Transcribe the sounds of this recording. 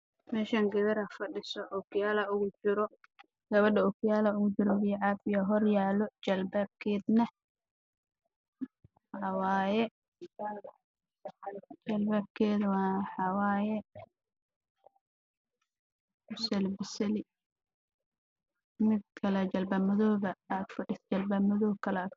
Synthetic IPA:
mɛːʃaːŋɡɐðɐɾɐfɐɖɪsɔʔʊkjaːlɐʊɣʊt͡ʃɪɾɔ | ɡ̥ɐβɐɖɐʊkʰɪjaːlɐʊɣʊt͡ʃɪɾɔɣɪjɛʕaːfɪjɐɦɔrjaːlɔt͡ʃɐlbaːb̚kʰɛːd̪nɐ | ħɑwaːjɛ | t͡ʃɐlbaːb̚kʰɛːðɐwɑːħɑwaːjɛ | bʊsɐlbɪsɐlɪ | mɪd̪̚kʰɐlɛt͡ʃɐlbɐːmɐðɔːɣɐːɡ̪fɐɖɪst͡ʃɐlbaːmɐðɔːkʰɐlɛk

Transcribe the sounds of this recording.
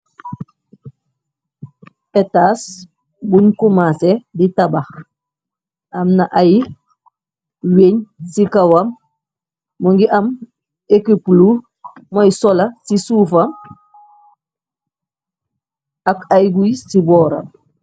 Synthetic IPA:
etas | bunkumaseditabax | amnaʔaji | weɲsikawamː | uŋɡiʔam | ekiplu | mojisɔlasisuːfam | akajɡujisibɔːɾa̰m

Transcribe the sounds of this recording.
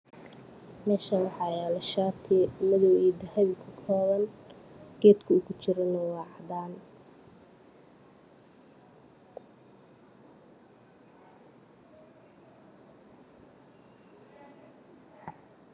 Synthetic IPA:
mɛːʃɐwɑħɑlɐʃaːt̪ʰɛmɐðɔwid̪ɐhɐβɪkʰɐkʰɔːβɐnɡ̥ɛːd̪kʰɐʊkʊt͡ʃɪɾɐnɐwɑːʕɑd̪aːn

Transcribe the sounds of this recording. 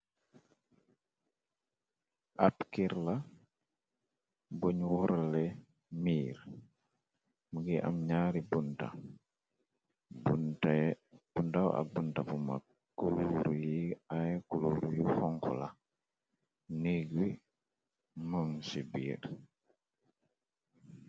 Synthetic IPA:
ʔapkiɾla | boɲwɔɾalɛ | miːɾ | muɡiʔa̰mɲaːɾibunta̰ | buntb̥untawʔa̰buntapuma̰ | kːuluɾujiajkuluɾjihɔŋkɔ̰la | niɡwi | maŋsibiːɾ

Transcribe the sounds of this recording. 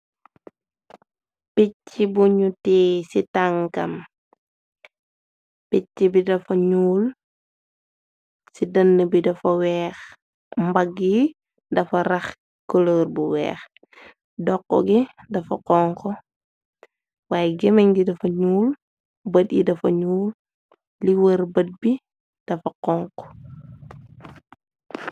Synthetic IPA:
picːibuɲutiːsitaŋkɐ̰m | picːibidɐfɐɲuːl | sidɐnːəbidɐfɐwɛːx | mbɐɡːi | dɐfɐɾɐx | koloːɾbuwɛ̰ːx | dɔkːɔ̰ɡidɐfɐqɔŋkɔ | waːjɛɡɛmɐɲdidɐfɐɲuːl | bɐtḭdɐfɐ̰ɲuːl | liwəɾbɐd̚bi | d̥ɐfɐqɔːŋkɔ̥

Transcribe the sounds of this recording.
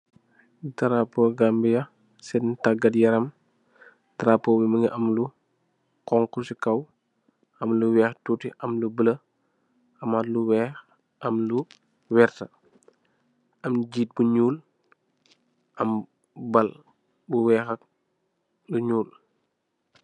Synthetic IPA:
dɐɾapoɡambijɐ | sɛdntaɡɐdjɐɾɐm | tɐɾapːɔːbiməŋiʔɐmlu | kɔŋkusikɐw | ɐmluwɛːxtutiʔɐmlubələ | ɐmatluwɛːx | ɐmlu | wɛːɾtɐ | ɐmɟiːt̚buɲuːl | ʔɐm | bɐl | buwɛːxɐk̚ | luɲuːl

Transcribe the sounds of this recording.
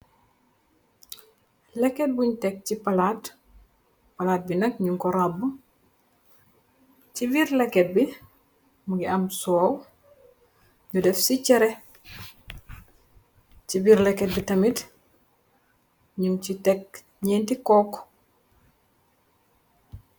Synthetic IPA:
lɛkːɛt̚buɲtɛk̚cipɐlaːt | pɐlaːt̚binɐkɲuŋkɔɾabu | cibiɾlɛkːɛt̚bi | muɡiɐmsɔːw | ɲudɛfsicɛɾɛ | cibiːɾlɛkːɛt̚bitɐmit | ɲuncitɛk̚ | ɲɛntikɔːk

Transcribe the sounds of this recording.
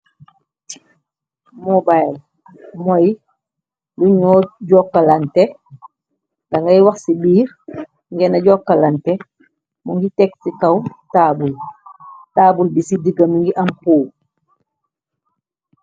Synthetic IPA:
mɔbajl | mɔj | luɲɔːɟɔkːalantɛ | ɡaŋɡajwaxsibiːɾ | ŋɡɛnaɟɔkːalantɛ | mɔŋɡitɛksikɐwtaːbul | taːbulbisidiɡamiŋɡiʔamkuː

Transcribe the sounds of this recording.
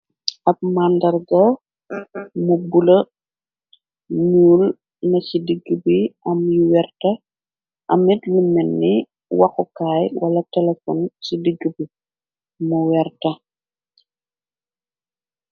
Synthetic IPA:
ɐk̚mandɐrɡɔ | mubulɐ | ɲuːl | nɐcidiɡubiʔɐmjuwɛrtɐ | ʔɐmitlumɛnːi | wɐxukaːjwɐlɐtɛlɛfɔ̰nsidiɡːubi | muwɛrtɐ

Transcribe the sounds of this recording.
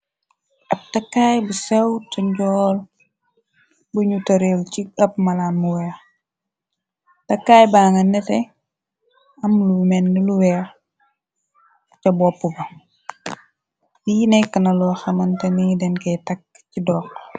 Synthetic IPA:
ʔɐp̚tɐkːaːjbusɛwtɐɲɟɔːl | buɲutɐɾelciɐpmɐlanmuwɛːx | tɐkːaːjbaːŋɐnɛtɛ | ɐmlumɛnːiluwɛːx | t͡ʃɐbɔpːubɐ | jinɛkːənɐlɔːxɐmɐntɐnidɛnkɛjtɐkː | cidɔːk̚

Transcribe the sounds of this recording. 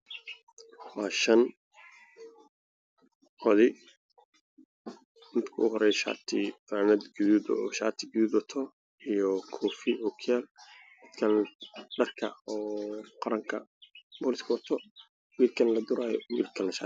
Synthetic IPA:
wɑːʃɐn | ɔðɪ | nɪt̪kʰʊʊɦɔɾɛjʃa̰ːt̪ʰɪfanɐd̪ɡʊðuːd̪ɔ̰ːʃaːt̪ʰɪɡʊðuːd̪ɔt̪ʰɔ | ijɔkʰɔːfɪʔɔkʰjaːlmɪd̪kʰɐnɖɐrkʰɐ̰ɔːqɑɾɐŋkʰɐ̰bɔːlɪskʰɐwɐt̪ʰɔ | wiːrkʰɐnlɐd̪ʊɾaːjɔ̰wiːrkʰɐnlɐʃa̰ː

